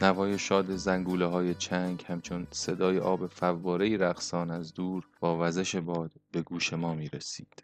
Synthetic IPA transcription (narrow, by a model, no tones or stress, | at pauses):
nævɒːje̞ʃɒːd̪e̞zæŋɡuːleɦɒːjet͡ʃʰæŋɡhæmt͡ʃʰo̞nse̞d̪ɒːjeʔɒːbe̞fævːɒːɾe̞iːɾæɣsɒːnæzd̪uːɾb̥ɒːvæze̞ʃe̞bɒːd̪̥be̞ɡuːʃe̞mɒːmiːɾesiːd̪̥